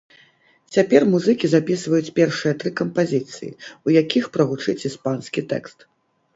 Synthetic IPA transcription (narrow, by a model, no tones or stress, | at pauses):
t͡sʲapʲɛrmuzɨkʲizapʲisvɐjut͡sʲpʲɛrʂɨjɐt̪ɾɨkɐmpazʲit̪sɨjḭujakʲixpɾɐɣut͡ʂɨt͡sʲispanskʲit̪ɛ̰kst̪